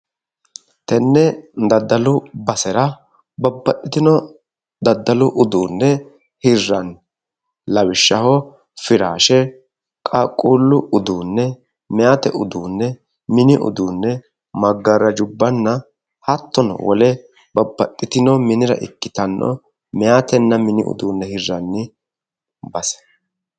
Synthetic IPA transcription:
t̪ɛnːɛd̪ɐd̪ːɐlʊbɐsɛɾɐ | bɐbːɐt̪ʼːɪt̪ɪnɔ | d̪ɐd̪ːɐlʊʔʊd̪uːnːɛ | hɪrːɐn | lɐwɪʃːɐhɔ | fɪɾaːʃɛ | kʼakʼːuːlːʊʊd̪uːnːɛ | mɛjaːt̪ɛ̰ʔʊd̪uːnːɛ | mɪnɪʔʊ̰d̪uːnːɛ | mɐɡːɐɾɐd͡ʒʊbːɐnːɐ | hɐt̪ːɔnɔ̰wɔlɛ | bɐbːɐt̪ʼːɪt̪ɪnɔmɪnɪɾɐ̰ʔɪ̰kːɪ̥t̪ɐnːɔ̰ | mɛjaːt̪ɛnːɐmɪnɪ̰ʊ̰d̪uːnːɛhɪrːɐnːɪ | bɐsɛ̥

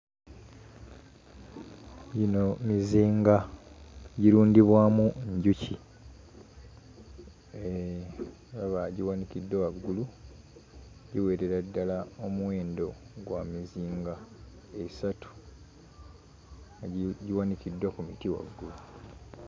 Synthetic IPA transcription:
jino̞miziːŋɡa | ɟiɾuːndiβwaːmuɲɟuci | e | aβaɟiwanicidːowaɡːulu | ɟiwe̞ːɾeɾadːalaomuwe̞ːndo̞ɡwamiziːŋɡa | esatu̥ | ɟiwanicidːwakumitiwa̰ɡːulu

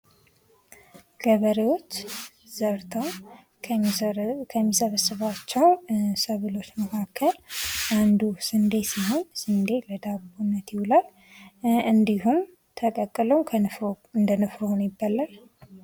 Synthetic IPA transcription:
ɡ̥əβəɾewo̞t͡ʃː | zəɾt̪ʰəw | kʰəmːisəβəsɨβat͡ʃːɛwnsəβɨlo̞t͡ʃːməkʰakʰːəlʔand̪usɨnd̪e̞siɦo̞nsɨnd̪eləd̪abunːət̪jɪwulal | ɨnd̪ihum | t̪ʰəkʼəkʼːɨləwkʰ | ɨnd̪ənɨfɾohonjɪbːalːal

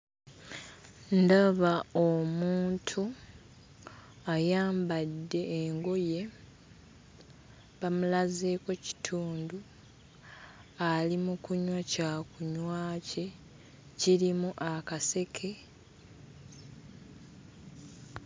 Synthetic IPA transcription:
ndaβaomuːntʰu | ajaːmbadːe̞ːŋɡo̞je̞ | βamulaze̞ːko̞ci̥tʰuːndu | alimukuɲwacakuɲwaːce̞ | ciɾimuʔakase̞kʰe̞

